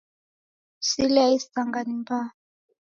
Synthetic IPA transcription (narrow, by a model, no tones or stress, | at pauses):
silaistaŋɡanimpʰa